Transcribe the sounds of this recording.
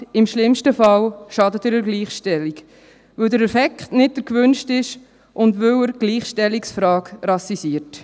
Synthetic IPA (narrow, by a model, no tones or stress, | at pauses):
ɪmʃlɪmʃtəfɑwʃɑdətəɾəɾɡliːχʃtɛlːik | ʋɵwdəɾɛfɛkχtnɪt̚d̥əɾkʋʉnʃtɪʃ | ʔʊndʋɵwəɾɡ̥liːχʃtɛlːiksfɾɑːkɾɑsisiəɾt